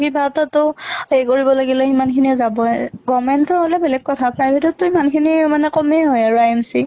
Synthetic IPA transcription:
kibʱatatʊejkoɹibɔlaɡilɛimankʰiniɛzabɔɛɡɔmɛntɔɹɦolɛbɛlɛɡ̚kːɔtʰapʰɹajbʱɛtɔtːʊimankʰinimanɛkɔmeɦojaɹuajɛmsi

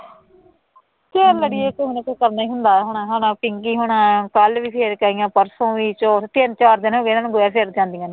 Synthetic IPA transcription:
keləɽiːekoɦʊnẽkokəɾnaːiːɦʊnd̪aːɦoɳaːɦoːnãːpɪŋɡiːɦoːɳãːkəlʋiːpʰeːɾkaːijãːpəɾsõːʋiːt͡ʃoːt̪ɪnt͡ʃaːɾd̪ɪnɦoːɡeːnaːnũːɡoːjaːpʰeːɾd͡ʒãːnd̪ijãːnː

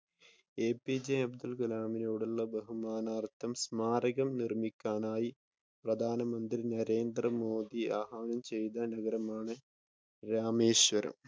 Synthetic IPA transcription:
eːpːid͡ʑeɐbd̪ulɡulaːminoːɽulːɐbɐɦumaːnaːrt̪ʰːɐmsmaːɾɐɣɐmnirmikʲːaːnaːji | prɐd̪ʱaːnɐmɐnd̪rinɐɾe̞ːnd̪rɐmoːd̪iaːɦaːnɐmt͡ɕe̞jðɐnɐɡɐɾɐmaːɳɨ | ɾaːmeːɕʋɐɾɐ̰m

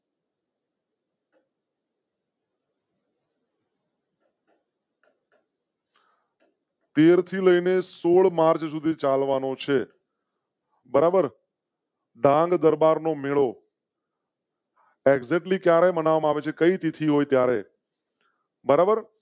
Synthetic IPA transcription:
t̪eɾt̪ʰiləinesoɭmaɾt͡ʃsud̪ʱit͡ʃalʋanot͡ʃʰe | bəɾabəɾ | ɖʱãŋɡd̪əɾbaɾnomeɭo | eɡzɛʈlikjaɾebənaʋamãaʋet͡ʃʰekəit̪it̪ʰiɦojt̪jaɾḛ | bəɾabəɾ

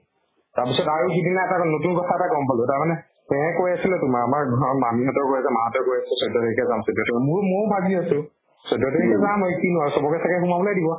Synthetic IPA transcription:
taɹpisɔtaɹuxidinaɛtanotunkɔtʰaɛtakɔmpalʊtaɹmanɛ | ɛɛ̃kojasilɛtʊmaamaɹɡʱɔmamiɦɔtɔɹkojasɛmaɦɔtɔɹkojasɛsɔjdɔtɛɹikɛzamsɔdɔtɛɛmʊɹmobʱaɡiasʊ̃ | sɔdɔtɛɹikɛzamɔjkinʊausɔbɔkɛsʰakɛxumabɔlajdibɔ

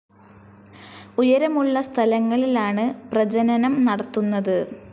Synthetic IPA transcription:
ujɐɾɐmuɭːɐst̪ʰɐlɐŋːɐɭilaːɳɨprɐd͡ʑɐnɐnɐmnɐɽɐt̪ːunːɐðɨ

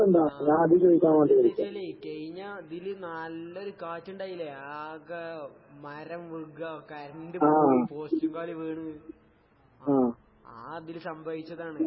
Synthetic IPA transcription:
enɖ̪aːɲãːɐd̪ʱikɐikʲːaːmaːɳɖikɐɽikʲːaekɐɻiɲːad̪ilɨnɐlːɐoɾukaːt͡ɕːuɳɖaːjilːeaɣɐ | mɐɾɐmʋuɡɐkɐɾɐɳɖɨaːpoːsɐmkaːɭiʋeːɳu | aː | aːd̪ilsɐmbʱɐʋit͡ɕːɐðaːɳɨ

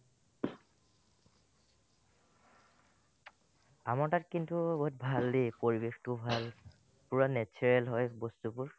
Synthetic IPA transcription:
amaɹtatkintubɔtbʱaldepoɹibextubʱal | puɹanɛt͡ʃʰɔɹɛlɦɔjbostupuɹ

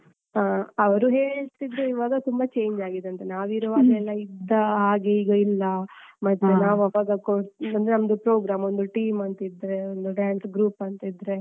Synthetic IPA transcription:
aːɐʋɐɾuɦe̞ːɭt̪id̪ːeiʋaːɡɐt̪umbɐt͡ʃe̞ːɲd͡ʒaːɡid̪eɐnt̪enaːʋiɾuʋaːd̪ɛlːɐid̪ːɐɦaːɡe̞iːɡɐilːɐmɐt̪ːenaːʋɐʋaːɡɐkoɐnd̪enɐmɐd̪upɾoːɡɾaːmond̪uʈiːmɐnt̪id̪ɾe̞ond̪uɖaːnsɡɾuːpɐnt̪id̪ɾe̞

